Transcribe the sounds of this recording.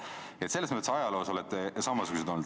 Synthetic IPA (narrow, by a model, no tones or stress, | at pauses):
et̪se̞lːesmat̪esɑjɑlo̞ːso̞lɛt̪ːˑesɑmɑsuɡ̥us̬ed̪ond̪